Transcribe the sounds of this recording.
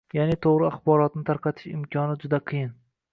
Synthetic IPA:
janɪt̪ʰoʁɾɪaχbɒɾɒt̪̚nɪt̪ʰaɾqʰɑt̪ʰɪ̥ʃɪ̰mkʲʰɒnɪd͡ʒʊd̪aqʰɨjɪn

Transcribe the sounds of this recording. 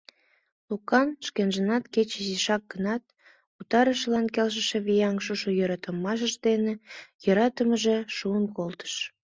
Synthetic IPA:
lukɑnʃkenʒənɑt̪ket͡ɕeziʃɑk̚ɡənɑt̪̚ | ut̪ɑɾəʃlɑnkelʃ̬əʃeβijɑŋʃuʃojøɾɑt̪əmːɑʃ̬əʒd̪enejɤɾɑt̪əməʒeʃuənkolt̪ə̥ʃ

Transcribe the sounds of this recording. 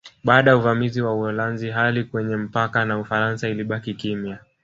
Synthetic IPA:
ɓaːɗajauvamiziwauɔlanziɦalikwɛɲɛm̩pakanaufaɾansailiɓakikimja

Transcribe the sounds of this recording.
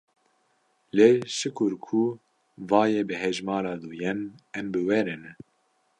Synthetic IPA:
leːʃɨkʰʊɾkʰu | vɑːjeːbɨɦɛʒmɑːɾɑːd̪uːjɛnɛmbɨwɛɾɨn

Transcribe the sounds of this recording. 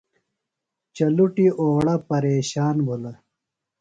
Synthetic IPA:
t͡ɕɐluʈiʔoːɽɐpɐɾeːɕaːnbʱulɐ

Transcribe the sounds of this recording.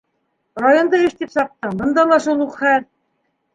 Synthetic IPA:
rajond̪ɑɘʃt̪ipsɑq̚t̪ɤɴbɤ̆nd̪ɑlˠɑʃulˠuqχæl

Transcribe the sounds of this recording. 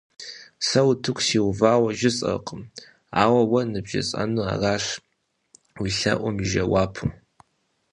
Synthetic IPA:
sɐwutʰɨkʷʰsiwvaːwɐʒɪsʼɐ̰qʼəm | aːwɐwɐnɨbʒɪ̰sʼa̰nua̰raːʃ | wiɬɐ̰ʔʷʊmʒɐwaːpʰum

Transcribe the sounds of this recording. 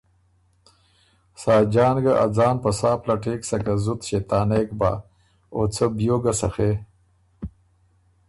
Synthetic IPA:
saːd͡ʒɑːnɡaʔa̰d͡zɑːnpɐsaːplaʈeːksɐkazut̪ɕet̪aːnekba̰ | ot͡sʰəbjoːɡasɐxe

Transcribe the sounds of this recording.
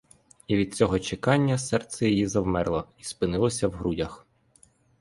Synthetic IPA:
iʋʲid̪̥̚t͡sʲɔɦɔt͡ʃekɑnʲːɐsɛrt̪sɛjijizɐwmɛrlˠɔispɪnɪlˠɔsʲɐwɦɾudʲɐx

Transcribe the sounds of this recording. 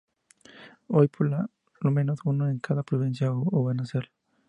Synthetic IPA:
ojpʰola | lomenosunoeŋkaðapɾuβinsjaoβanaseɾ

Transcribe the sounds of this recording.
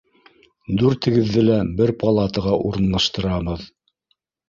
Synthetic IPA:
d̪uɾt̪ʰɘ̆ɡɘ̆ðːɘlæbɘɾpʰɑlˠɑt̪ɤʁɑʔuɾɤ̆nlˠɑʃt̪ɤ̆ɾɑβɤð

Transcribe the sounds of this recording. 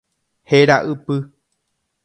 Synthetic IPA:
heɾaʔɨpɨ

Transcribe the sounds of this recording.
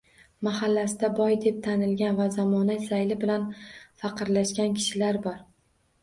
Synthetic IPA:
mahalːasɪd̪abɒjd̪e̞p̚t̪ʰanɪlɡʲanvazamɒnasajlɪbɪlanfaqʰɨɾlaʃkʲankʲʰɪ̥ʃɪlaɾbɒɾ

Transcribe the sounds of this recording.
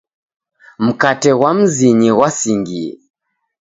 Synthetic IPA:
m̩katɛɣwam̩ziɲiɣwasiŋɡiɛ̰

